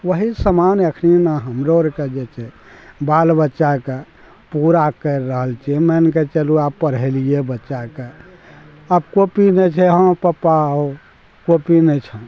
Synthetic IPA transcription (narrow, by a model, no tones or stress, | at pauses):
ʋəɦisəmanəkʰninaɦəmɾoɾked͡ʒet͡ʃʰɛ | balbətːʃake | puɾakəɾːəɦəlt͡ʃʰiɛmɛnket͡ʃəluabpəɾ̤ɛlijebətːʃake | əbkopinɛt͡ʃʰɛɦə̃pəpao | kopinɛt͡ʃʰə̃